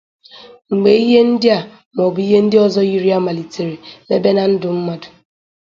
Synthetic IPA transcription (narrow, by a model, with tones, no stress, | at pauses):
ŋ͡m̩˨ɡ͡be˨i˦ɦe˦n̩˦dɪ˦a˨ | m˨ɔ˨bu˨˦i˦ɦe˦n̩˦dɪ˦ɔ˦zɔ˦i˦ɾi˦a˦ma˨li˨te˨ɾi˨me˦be˦na˨n̩˦dʊ˨m̩˦ma˦dʊ̥˨